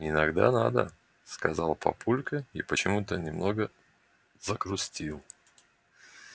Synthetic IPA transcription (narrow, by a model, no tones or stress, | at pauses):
ɪnɐɡd̪a̰nad̪ə̰ | skɐzɑlˠpɐ̰pulʲkəipət͡ɕɪmut̪ənʲɪmnoɡə | zəkɾʊsʲtʲilˠ